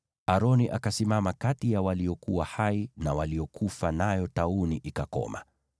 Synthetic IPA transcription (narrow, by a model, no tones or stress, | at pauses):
aɾɔniʔakasimamakatijawaliɔkuwahainawaliɔkʰufanajɔtauniʔikakɔ̰ma̰